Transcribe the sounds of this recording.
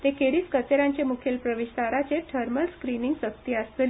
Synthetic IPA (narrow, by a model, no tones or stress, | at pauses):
t̪ekeɽiːskət͡seɾaɲt͡ɕemukʰelpɾəʋiɕt̪aɾat͡seʈʰəɾməlskɾiniŋɡsəkt̪iəst̪eli